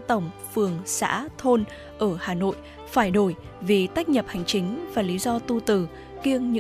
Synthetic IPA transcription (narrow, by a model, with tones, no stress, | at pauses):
t̪ə˧˩wŋ͡mfɨ˨˩əŋsa̰ː˧˥t̪ʰo˧n | ʔəː˧˩haː˨˩no̰˧˨j | faː˧˩jɗo˧˩j | vi˨˩t̪a˦˥k̟̚ɲə˨˩p̚ha˨˩jŋ̟t͡ɕï˨˦ŋ̟vaː˨˩li˨˦zɔ˧t̪u˧t̪ɨ˧˩ | ki˧əŋɲɨ̰˧˥